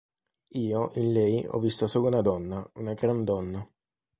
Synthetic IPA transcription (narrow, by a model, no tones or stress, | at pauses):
iːoʔinlɛjɔ̰vːist̪asoːlaunad̪ɔnːaunaɡɾand̪ɔnːa